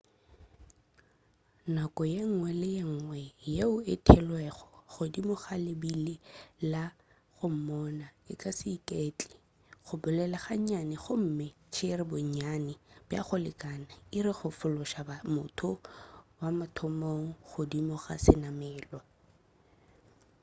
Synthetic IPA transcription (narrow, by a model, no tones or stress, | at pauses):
nakʼɔjeŋ̩ŋwɛlɪjeŋ̩ŋwɛjeʊɪtʰɛlwɛχɔ̥χʊdimʊχalɪbilɪla | χʊm̩mɔnaɪ̰kʼasɪkʼet͡ɬʼi̥ | χʊbʊlɛlaχaɲɲanɪχʊm̩mɪ | t͡ʃʰɪɾɪbʊɲɲanɪbja̰χʊlɪkʼanaiɾɪχʊfʊlʊʃabamʊtʰʊwamatʰʊmoŋ̩χʊdimʊχa̰sɪnamɛːlwa